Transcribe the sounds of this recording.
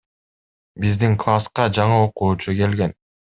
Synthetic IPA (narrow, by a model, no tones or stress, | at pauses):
bizd̪iŋklˠasqɑd͡ʒɑɴɯo̞quːt͡ʃuke̞lɡe̞n